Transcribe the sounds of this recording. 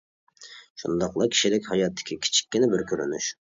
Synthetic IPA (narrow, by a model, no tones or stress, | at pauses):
ʃṵnd̪ɑqlˠɑkʲʰi̥ʃilɪkʲhɑjɑt̪ʰːɪ̥kʲʰikʲʰi̥t͡ʃʰi̥kʲːinɪbɪɾkʲʰøɾy̰ny̰ʃ